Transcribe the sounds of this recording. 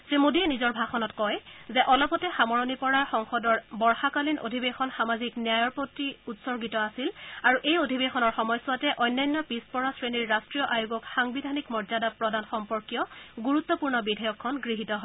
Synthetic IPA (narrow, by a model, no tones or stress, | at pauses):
semodiɛnizɔɹbʱaxɔnɔtkɔjzɛʔɔlɔpɔtɛxamɔɹɔnipɔɹaɹxɔŋxɔdɔɹbɔɹxakalinʔo̰dʱibexɔnxamaziknijajɔɹpotːiutsɔɹɡitɔasilaɹuʔejodʱibexɔnɔɹxɔmɔjsʊwatɛʔɔjnːajnːɔpispɔɹasɹeniɹːastɹijɔʔajuɡɔkxaŋbidʱanikmɔɹzadapɹɔdanxɔmpɔɹkijɔɡuɹut̪ːɔpuɹnɔbidʱɔjɔkʰːɔnɡɹiɦitɔɦɔ